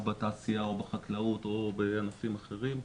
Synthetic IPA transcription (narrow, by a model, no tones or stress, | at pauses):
bat̪aːsiao̞beχaklaut̪o̞beanafimaχe̞ʁim